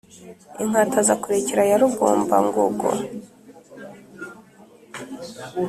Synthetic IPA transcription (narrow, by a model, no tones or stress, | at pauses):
iŋ̥atʰazakuɾeceɾajaɾuɡo̰ːmba̰ŋɡṵɡo̰